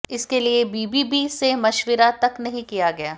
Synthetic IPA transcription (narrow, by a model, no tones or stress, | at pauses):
ɪskeliebiːbibisemɐʃʋɪɾat̪ɐknɐɦĩkijaɡɐjaː